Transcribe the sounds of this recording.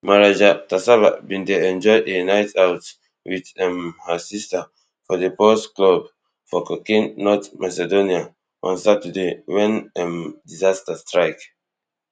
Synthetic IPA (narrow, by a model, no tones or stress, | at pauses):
maɹad͡ʒatasaba̰bĩndeɛ̃nd͡ʒɔjdenajtʰawt | witɛ̃mhəsistə | fɔðəpɔsklob | fɔkɔkĩŋnɔtmasɛdonia | ʔɔ̰̃nsatudewɛ̃nɛmdizastəstɹaɪk